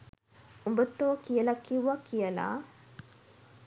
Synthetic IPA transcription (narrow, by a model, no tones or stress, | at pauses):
umbət̪ːoːkijəlɐkːiwʋakijəla̰